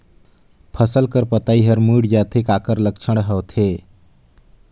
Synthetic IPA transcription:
pʰəsəlkəɾpət̪aiɦəɾmuɽd͡ʒat̪ʰekakəɾlək̚t͡ʃʰəɽɦəwt̪ʰe

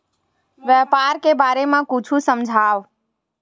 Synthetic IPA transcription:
ʋjəpaːɾkebaːɾemãkʊt͡ʃʰusəmd͡ʒʱaːʋ

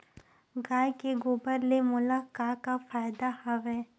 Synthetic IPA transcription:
ɡaːjkeɡoːbəɾlemʊlakaːkafaːɪd̪ahɐʋɛː

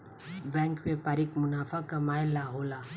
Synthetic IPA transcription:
bɛ̃ːŋkʋepaːɾikmʊnaːfʰakɐmaːelaɦola

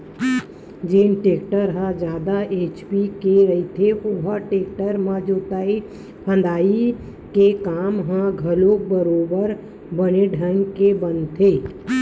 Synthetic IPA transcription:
d͡ʒeːnʈeːkʈəɾɦãd͡ʒjaːd̪aeːt͡ʃpikeɾəit̪ʰeoɦəʈeːkʈəɾmãd͡ʒoːt̪aːi | pʰə̃nd̪aːi | kekaːmɦãɡʱəlokbəɾoːbəɾ | bəneɖʱənkebənt̪ʰeː

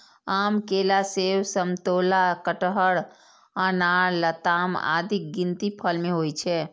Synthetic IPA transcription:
aːmkelasewsəmt̪olakəʈəɦəɽ | anaɽlət̪ama̰d̪ʱik̚ɡint̪ipʰəlmẽɦojt͡ʃʰɛ

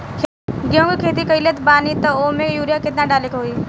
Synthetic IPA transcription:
kʰ | ɡeũŋɡkʰeːt̪̬ikəilet̪baːnit̪əomẽjuːɾjaket̪nãɖaːlekɦoiː

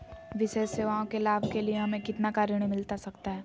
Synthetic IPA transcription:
ʋɪʃeːʃseːʋaːõkelaːbʱkelieɦɐmẽkɪt̪nakaːɾɽ̃imɪlt̪asɐkt̪aɦɛː

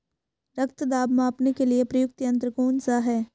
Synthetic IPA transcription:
ɾɐk̚t̪d̪aːbmãːpnekeliepɾɐjʊk̚t̪jɐ̃nt̪ɾəkoːnsaɦɛː

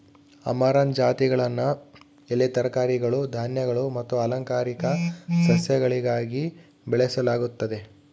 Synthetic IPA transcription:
ɐ̰maːɾand͡ʒaːt̪iɡɐɭɐnːu | elːet̪ɐɾɐkaːɾiɡɐɭud̪ʱaːnjɐɡɐɭumɐt̪ːuɐlɐŋkaːɾikɐsɐsjɐɡɐɭiɡaːɡi | bɛɭesɐlaːɡut̪ːɐd̪e̞

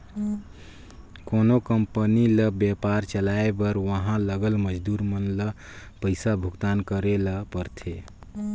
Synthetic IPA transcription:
konokəmpəniləbjepaɾt͡ʃəlaebəɾʋəɦãləɡəlməd͡ʒd̪uɾmənləpəɪsabʱuɡt̪ankəɾeləpəɾt̪ʰe

